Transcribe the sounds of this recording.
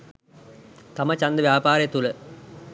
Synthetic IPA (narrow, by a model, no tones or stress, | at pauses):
t̪amət͡ɕand̪əʋjaːpaːɾəjet̪ulə